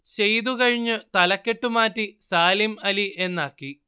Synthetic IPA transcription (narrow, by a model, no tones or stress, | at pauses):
ɕejðukɐɻiɲːɨt̪ɐlɐkːe̞ʈːumaːtːisaːlimɐliʔe̞nːaːkːi